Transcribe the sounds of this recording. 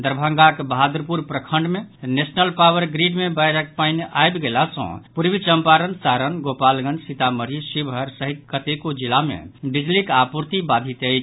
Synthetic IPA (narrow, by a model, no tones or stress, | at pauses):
d̪əɾbʱəŋɡakbəɦad̪ɾpuɾpɾəkʰəɳɖmenesnəlpawəɾɡɾiɖmebajɾək̚paɪnʔajbɡelasə̰̃puɾbit͡ʃəmpaɾənsaɾənɡopalɡənɖsit̪aməɾisibɦəɾsəɦit̪̚kət̪ekod͡ʒilamḛbid͡ʒlikapuɾt̪ibad̪ʱit̪əjt͡ʃʰ